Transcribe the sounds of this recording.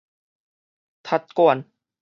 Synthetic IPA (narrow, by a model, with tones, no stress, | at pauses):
t̪ʰa˧˥t̪̚ku˧ə˨n